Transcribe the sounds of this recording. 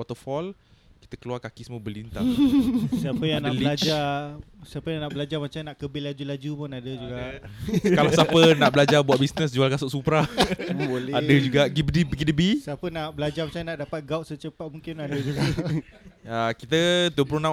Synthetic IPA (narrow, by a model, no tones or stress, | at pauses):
wɔt̪əfɔl | ki̥t̪əkəluarkakisəməbəlint̪a | siapəjanaələilad͡ʒasapəjaŋnaʔbəlad͡ʒamat͡ʃamnaʔkəbɪlad͡ʒulad͡ʒupʊnadəd͡ʒuɡaʔkalasapənaʔbəlad͡ʒabuaʔ̪̚bisnəs̬d͡ʒualkasʊʔsupɾaboladəd͡ʒuɡaʔɡibdibɡidəbisapənaʔbəlad͡ʒarmat͡ʃanaʔdapat̪̚ɡawʔsət͡ʃəpat̪̚muŋkɪnadəd͡ʒuɡa | əkit̪ət̪uəpuluna